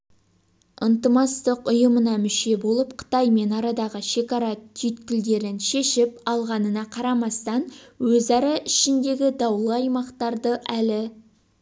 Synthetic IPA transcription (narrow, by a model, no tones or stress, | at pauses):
ənt̪əmɑst̪əqʊjəmənɑmʏʃe̞bo̞lˠəpqʰə̥t̪ɑjme̞nɑɾɑd̪ɑʁəʃe̞kɑɾɑt̪ʰyt̪kʲɪld̪e̞ɾɪnʃe̞ʃɪp̚ɑlˠʁɑnənɑqʰɑɾɑmɑst̪ɑnwɵzɑɾɑʔɪʃɪnd̪e̞ɡʲɪd̪ɑwlˠəɑjmɑqt̪ɑɾd̪əʔælɪ